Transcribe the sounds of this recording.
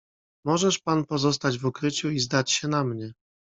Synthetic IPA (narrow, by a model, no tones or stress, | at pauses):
mɔʐɛʂpanpɔzɔs̬t̪ad͡ʑvukɾɘt͡ɕuizd̪at͡ɕɕɛnamɲɛ